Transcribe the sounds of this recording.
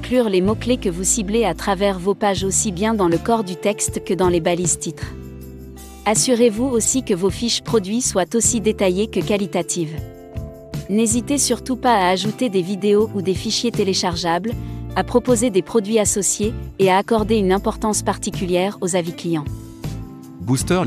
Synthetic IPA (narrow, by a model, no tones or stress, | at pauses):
klyʁlemɔklekəvusibleat̪χavɛʁvopaʒosibjɛ̃d̪ɑ̃ləkɔʁd̪yt̪ɛkst̪kəd̪ɑ̃lebalizt̪it̪χ | asyʁevuosikəvofiʃpχɔd̪ɥiswat̪osid̪et̪ajekəkalit̪at̪ʰiv | nezit̪esyʁt̪upaaːʒut̪ed̪evid̪eoʔud̪efiʃjet̪eleʃaʁʒablapχɔpozed̪epχɔd̪ɥiasɔsjeːaːkɔʁd̪eynɛ̃pɔʁt̪ɑ̃spaʁt̪ikʲyljɛʁozaviklijɑ̃ | bust̪œʁ